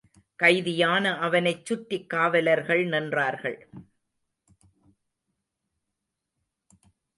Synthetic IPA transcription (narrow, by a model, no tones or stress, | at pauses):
kɐɪðɪjaːnɐʔɐʋɐnɐɪt͡ʃːʊʈːɪkːaːʋɐlɐɾɣɐɭnɐndraːɾɣɐ̰ɭ